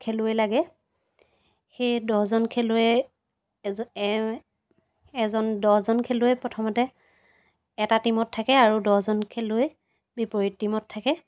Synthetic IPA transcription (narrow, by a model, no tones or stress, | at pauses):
kʰelʊejlaɡɛ | xejdɔhzɔnkʰɛlʊɛ | ɛzɔndɔhzɔnkʰelʊepɹɔtʰɔmɔtɛ | ɛtatimɔtʰːakɛaɹudɔhzɔnkʰelʊej | bipɔɹittːimɔtʰːakɛ